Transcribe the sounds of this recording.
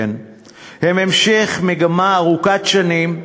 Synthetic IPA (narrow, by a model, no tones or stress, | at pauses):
n | hememʃeχmeɡamaːʁukatʃanim